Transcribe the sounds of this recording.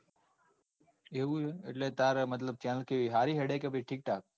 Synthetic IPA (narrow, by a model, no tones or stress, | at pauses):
euɪʈlet̪aːɾmɐt̪̬ləb̚t͡ʃɛːnəlkeʋiɦaːɾiɦeɽekebiʈʰiːk̚ʈʰaːk̚